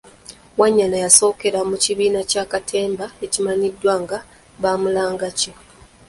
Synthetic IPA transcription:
waɲːanajaso̞ːke̞ɾamuciβiːnacaːkatʰe̞ːmbae̞cimaɲidːwaŋɡa | βaːmulaːŋɡaco

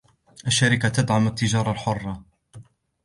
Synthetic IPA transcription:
ʔaʃːaɾɪkat̪ad̪ʕamat̪ːɪd͡ʒɑːɾˤɑlħʊrˤːɑ

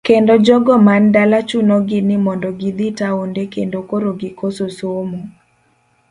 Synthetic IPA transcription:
kkendod͡ʒɔɡɔmandalat͡ʃunɔɡɪnɪmɔndɔɡɪd̪itaondekendokoɾoɡɪkososomo

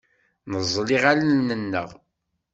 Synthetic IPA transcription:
nəzˤːliʁalənnənːə̰ʁ

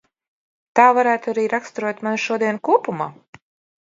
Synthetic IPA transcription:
t̪aːvaɾæːt̪uaɾiːɾakst̪ɾuɔt̪manuʃuɔd̪iɛnkuɔpumaː

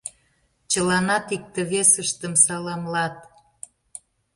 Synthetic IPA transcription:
t͡ɕəlɑnɑt̪ik̚t̪ə̆βesəʃt̪əmsɑlɑmlɑt̪̚

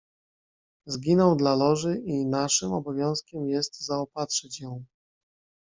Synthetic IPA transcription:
zɡʲinɔwd̪lalɔʐɘʔinaʂɘmɔbɔvʲjɔ̃w̃skʲɛmjɛst̪zaɔpat̪ʂɛt͡ɕjɔ̃w̃

